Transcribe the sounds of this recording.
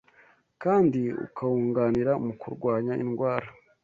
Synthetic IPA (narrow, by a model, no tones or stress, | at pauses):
kaːndiṵkʰahuːŋɡaːniɾamukuɾɡwaːɲaḭnɡwaːɾa